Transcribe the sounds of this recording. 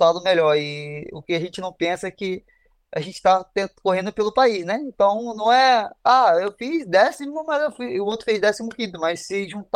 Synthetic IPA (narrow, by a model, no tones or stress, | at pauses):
ad̪ʊmeʎɔɾɪʊ̰kɪaʒẽnt͡ʃɪnɐ̃w̃pẽsɐɛkɪ | aʒẽnt͡ʃɪ̥t̪at̪ẽkoɦẽnd̪ʊpelʊpaisnɛĩnt̪ɐ̃w̃nɐ̃w̃ɛaewfizd̪ɛsimʊmɐzewfujʊot̪ɾʊfezd̪ɛsimʊkĩnt̪ʊmɐsːɪʒũnt̪